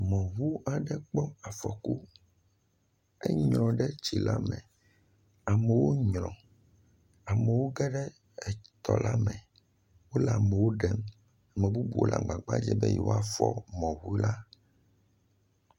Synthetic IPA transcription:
mɔ̃˨βu˦a˦˨ɖɛ˦k͡pɔ˦a˨fɔ˨ku˦ | ɛ̰˦ɲɾ̃ɔ̃˨ɖɛ˦t͡ɕi˨la˦mɛ̰̃˨ | a˨me˨wo˦ɲɾɔ̰̃˨ | a˨me˨wo˦ɡɛ˦ɖɛ˦ | ɛ˨t̪ɔ̰˨la˦mɛ̃˨ | wo˦la˨mɛ˨wo˦ɖɛ˦m | a˨mẽ˨bu˦bṵ˨wo˦la̰˨ɡ͡ba˨ɡ͡ba̰˦d͡ʒɛ˦bɛ̰˦jɛ̰˨˦wo˦a˨fɔ˦mɔ̃˨wu˦la˦

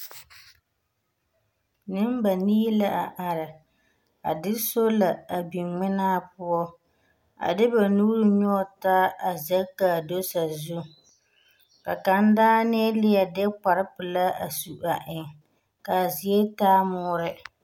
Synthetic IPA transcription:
nɨ˦m˦ba˨niː˦la˦ʔa˨ʔa˨ɾɪ˨ | a̰˨dɪ˦so˦la˨a˨bi˨ŋ͡mɪ˦naː˦pʊ˦ɔ˦ | a̰˨dɪ˦ba˨nuː˦ɾɨ˦ɲɔ˦ta˦a˨zɛ˦ka˨do˦sa˨zu˦ | ka˨ka˨n˦daː˦nɛ˦lɪ˦a˨dɛ˦k͡pa˨ɾɪ˦pɨ˨la˦a̰˨su˨ʔa˨ʔɪ˨ŋ | ka˨zɪ˨e˦taː˦mʊː˦ɾɪ˦

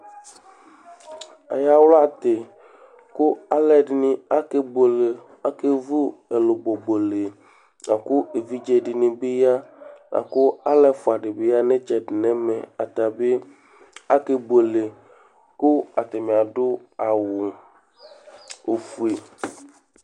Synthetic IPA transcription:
a̰˨ja˦wlo˦a˨t̪e˨ | kʊ˦a˦lɛ˦ɖnĩ˦a˦ke˦bo˨le˨ | a˦ke˦vu˦e˨lo˨bo˨bo˨le˨ | na˨kʊ˦e˨vi˦d͡ʒe˦ɖi˨nĩ˨be˦ja˦nʔa̰˨kʊ˦a˦lɛ˦fʊ˨a˨ɖe˨be˦ja˦nẽ˦t͡ʃɛ˨ɖɪ˨nɛ̃˦me˨a˨t̪a˨be˦ | a˦ke˦bo˨le˨ | kʊ˦a˨t̪e˨mĩ˨a˨ɖʊ˦a˨wʊ˨ | o˨fu˦e˨

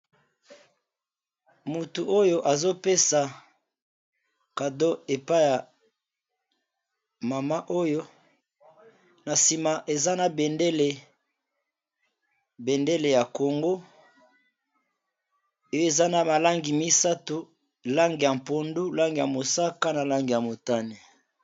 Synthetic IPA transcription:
mu˨tu˨ʔo˦jo˦ʔa˨zo˦pe˦sa˨ | ka˨do˦e˨pa˦ja˨ | ma˨ma˦ʔo˦jo˦ | na˨si˨ma˨ʔe˨za˦na˨be˨nde˦le˨ | be˨nde˦le˨ja˨ko˨ŋɡo˦ | o˦o˦e˨za˦na˨ma˨la˦ŋɡi˨mi˦sa˦tu˨ | la˦ŋɡi˨ja˨m˨po˨ndu˦la˦ŋɡi˨ja˨mo˨sa˦ka˦na˨la˦ŋɡi˨ja˨mo˨ta˦ni˨

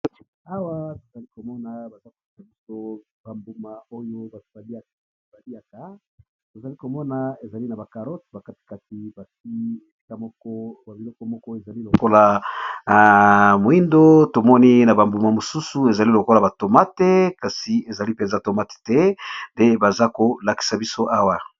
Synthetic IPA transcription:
a˦wa˦to˨za˨li˦ko˨mɔ˦na˨ba˨za˦ko˨pɛ˦ta˨bi˦so˦ | ba˨mbu˨ma˨o˦jo˦ba˨ba˨li˦a˨ka˨ba˨li˦a˨ka˨ | to˨za˨li˦ko˨mɔ˦na˨e˨za˨li˦na˨ba˨ka˨ʁɔ˦tba˨ka˦ti̥˨ka˨ti˨ba˨si˦˨ | i˦ka˦ɔ˦kɔ˦a˨bi˨lɔ˦kɔ˨mɔ˦kɔ˦e˨za˨li˦lo˨ko˦la˨ | mo˨i˦ndo˦to˨mɔ˦ni˦na˨ba˨mbu˨ma˨mo˨su˦su˦e˨za˨li˦lo˨ko˦la˨ba˨to˨ma˦te˦ka˨si˨e˨za˨li˦pe˨nza˦to˨ma˦te̥˨tɛ˦nde˦ba˨za˦ko˨la˨ki̥˨sa˨bi˦so˦ʔa˦wa˨

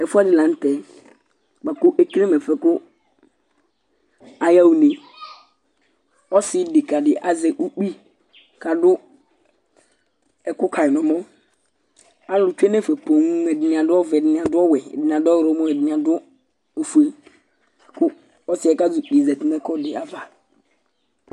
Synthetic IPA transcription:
ɛ˨fu˦a˦dɪ˨lã˨˦n˦tɛ˨ | k͡pa˨kʊ˦ʔɛ˦ki˦e˦mɛ˨fɛ˨kʊ˦ | a˨ja˦wu˨nẽ˨ | ɔ˦sɪ˦dɪ˨ka˨dɪ˨ʔa˨zɛ˨ʔu˦k͡pi˦ | kʰa˨dʊ˦ | ɛ˨kʊ˦kʰa˨ɪ˨nɔ̃˨mɔ̃˦ | a˦lʊ˨t͡ʃᶣɛ˦nɛ˦˨fɛ˨pʰõ˨ŋ˦mɛ˨dɪ˨nɪ̃˨ã˨dʊ˦ɔ˦vɛ˨dɪ˨nɪ̃˨ã˨dʊ˦ɔ˦wɛ̰˨dɪ˨n˨ã˨dʊ˦ɔ˦˨ɾɔ˨˦mɔ̃˦ɛ˨dɪ˨n˨ã˨dʊ˦ | o˨fu˨e˨ | kʰʊ˦ | ɔ˦sɪ˦ɛ˨ka˦zʊ˨k͡pi˨zɛ˨tɪ˨m˦ɛ˦kʰɔ˦dɪ˨a˨va˨

